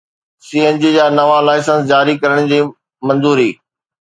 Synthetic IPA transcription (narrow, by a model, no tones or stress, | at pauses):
siːẽːnd͡ʑid͡ʑaːnɐʋalaːɪsə̃nsd͡ʑaːɾikɐɾəɽ̃d͡ʑiː | mɐ̃nzuːɾiː